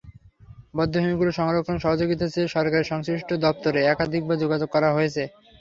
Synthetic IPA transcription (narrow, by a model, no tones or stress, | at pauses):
bɔd̪ʱːoɦomiɡuloʃɔŋɾok̪ːʰonʃɔɦod͡ʑoɡit̪̬at͡ɕeʃɔɾkaɾeʃɔŋsɾiʃʈʰod̪ɔp̚t̪oɾeɛkad̪ʱik̚bad͡ʑoɡad͡ʑoɡ̚kːɔɾaɦojet͡ɕʰe